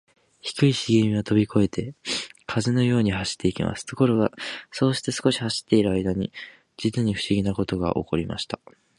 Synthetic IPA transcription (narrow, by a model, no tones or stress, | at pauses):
çi̥kɯ̟iɕiɡʲemʲio̞t̪o̞bʲikʰo̞e̞t̪ʰe̞kʰazɨno̞jo̞ːɲ̟ihaɕi̥t̪ʰːe̞ikʲima̰sɨ̥t̪o̞ko̞ɾo̞ɡaso̞ːɕi̥t̪e̞sɨ̥ko̞ɕi̥haɕi̥t̪ːe̞iɾɯ̟aid̪aɲ̟i | d͡ʑit͡sɨɲ̟iɸɯ̟̥ɕiɡʲinako̞t̪o̞ɡa̰ʔo̞̰ko̞ɾʲima̰ɕi̥t̪ḁ